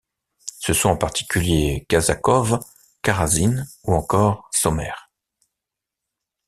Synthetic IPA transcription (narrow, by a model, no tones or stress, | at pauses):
səswɔ̃ɑ̃paʁt̪ʰi̥kʲʰyljekazakɔv | kaʁazinuɑ̃kɔʁsɔmɛ̰ːʁ